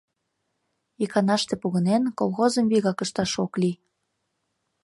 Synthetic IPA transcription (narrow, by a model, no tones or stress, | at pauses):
ikɑnɑʃt̪epuɣə̆nenkolˠxozəmβiɣɑkəʃt̪ɑʃokli